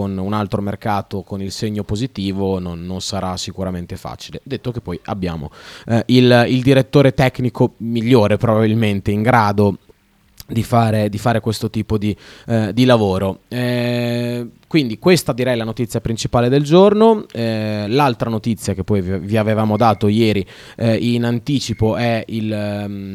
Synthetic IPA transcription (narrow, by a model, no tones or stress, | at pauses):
onunalt̪ɾomerkaːt̪okonilseɲːopozit̪iːvononːonsaɾasikuɾament̪efa̰ːt͡ʃiled̪et̪ːok̟epːɔja̰bːja̰ːmo̰ilild̪iɾet̪ːoːɾet̪ɛkːnikomiʎːoːɾepɾobabilment̪eiŋɡɾaːd̪o | d̪ifaːɾed̪ifaːɾekwest̪ot̪iːpod̪id̪ilavoːɾoɛ | kwind̪ikwest̪ad̪iɾɛjlanot̪it̪sːjapɾint͡ʃipaːled̪eld͡ʒornoɛlalt̪ɾanot̪it̪sːjak̟epːɔjvviavevaːmod̪aːt̪ojɛːɾi | inant̪iːt͡ʃipoʔɛil